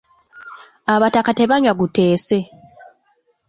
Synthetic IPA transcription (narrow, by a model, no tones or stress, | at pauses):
aβatakate̞βaɲwaɡute̞ːse̞